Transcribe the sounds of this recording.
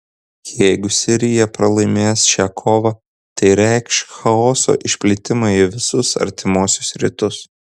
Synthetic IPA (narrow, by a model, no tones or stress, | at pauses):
jɛɪɡʊsʲɪɾʲɪjɛpɾɐlˠɐɪmʲeːsʃʲæːkʰoːʋɐ | t̪ɐɪɾʲɛɪkʃxɐoːso̰ːʔɪʃʲpʲlʲɪt̪ʲɪmɐiʋʲɪsʊsɐ̰ɾʲt̪ʲɪmoːsʲʊsɾʲɪ̰t̪ʊs